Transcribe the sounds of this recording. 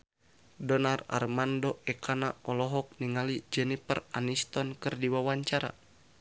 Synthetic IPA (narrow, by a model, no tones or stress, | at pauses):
dɔnara̰rmandoɛkʰanaɔlɔɦɔk̚niŋalid͡ʒɛnipəranist̪ɔnkɨrdiwawaɲt͡ʃaɾa̰